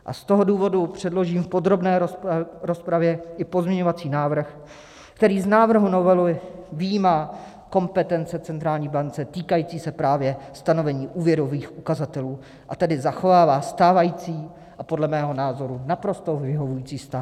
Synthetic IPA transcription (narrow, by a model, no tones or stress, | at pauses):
ʔa̰st̪o̞ɦo̞duːvo̞dupr̝̥ɛdlo̞ʒiːmfpo̞d̪ɾo̞bnɛːɾo̞spɾavjɛʔɪpo̞zmɲɛɲo̞vat͡siːnaːvr̩x | kt̪ɛɾiːznaːvr̩ɦuno̞vɛluvijiːmaː | ko̞mpɛt̪ɛnt͡sɛt͡sɛnt̪ɾaːlɲiːbant͡sɛt̪iːkajiːt͡siːsɛpɾaːvjɛst̪ano̞vɛɲiːʔuːvjɛɾo̞viːxʔukazat̪ɛluː | ʔat̪ɛdɪzaxo̞vaːvaːst̪aːvajiːt͡siː | ʔapo̞dlɛmɛːɦo̞naːzo̞ɾunapɾo̞st̪owvɪɦo̞vujiːt͡siːst̪a